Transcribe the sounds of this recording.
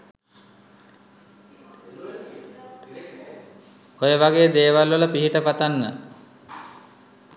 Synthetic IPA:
ojəʋaɡeːd̪eːʋalʋələpiɦiʈəpat̪anːə̰

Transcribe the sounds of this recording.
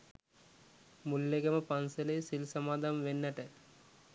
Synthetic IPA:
mulːeɡɐmɐpɐnsɐlejsilsɐmaːd̪ʱɐmʋenːɐʈɐ

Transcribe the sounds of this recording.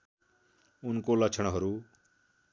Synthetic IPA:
ʊnkolʌt͡ʃʰəɽ̃ɦʌɾuː

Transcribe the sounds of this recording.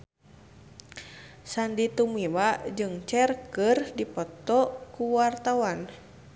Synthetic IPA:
sandit̪umiwad͡ʒɨŋt͡ʃɛrkərdipɔt̪ɔkuwart̪awan

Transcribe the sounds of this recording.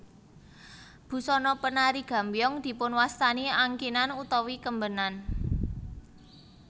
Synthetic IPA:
b̥ṳsɔnɔpənaɾiɡ̥ä̤mbijɔŋd̪̥i̤pʊnwast̪aniaŋkinanut̪ɔwikəmbənan

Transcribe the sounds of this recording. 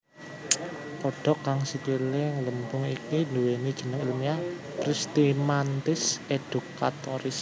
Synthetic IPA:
pɔɖ̥ɔ̤kːaŋsit͡ʃulɪŋləmbʊŋḭkinduwenid̥ʒ̥ə̤nəŋilumia | pɾist̪imant̪ɪsed̥uka̰t̪ɔɾɪs

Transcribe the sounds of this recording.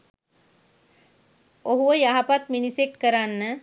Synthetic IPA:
oɦuʋəjaɦapat̪minisekkəɾanːə

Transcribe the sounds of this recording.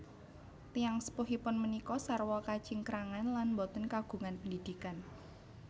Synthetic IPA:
t̪ijaŋsə̥puɦipʊnmənikɔsarwɔkḁt͡ʃɪŋkəɾaŋanlanmbɔt̪ənkaɡ̥ṳŋanpəndid̪̥ikan

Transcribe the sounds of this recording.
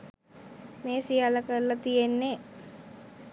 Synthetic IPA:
meːsijalɐkəɾlɐt̪ijenːe

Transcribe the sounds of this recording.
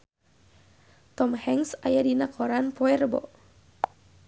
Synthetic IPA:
t̪ɔmhɛŋsajadinakʰɔɾanpɔɛrbɔ̰

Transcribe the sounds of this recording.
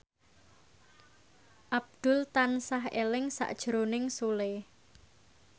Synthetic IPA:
ʔab̚d̪̥ʊ̤lt̪ansaɦḛlɪŋsa̰ʔd̥ʒ̥ɾonɪŋsule

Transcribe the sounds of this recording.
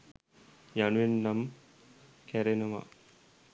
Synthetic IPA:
januʋenːam | kæɾenəʋa̰

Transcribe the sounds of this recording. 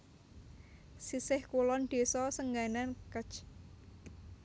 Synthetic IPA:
sisɪhkulɔnd̪̥e̤sɔsəŋɡanankət͡ʃ

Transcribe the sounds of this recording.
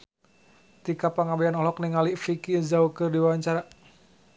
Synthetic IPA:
t̪ikapaŋabɛanɔlɔk̚niŋaliʔfikizaukɨrdiwaɲt͡ʃaɾa

